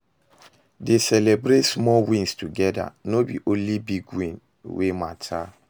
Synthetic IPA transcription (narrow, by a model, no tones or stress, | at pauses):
desɛlebɾetsmɔlwĩnstuɡɛda̰nobiʔõnlibiɡwĩn | wematʰa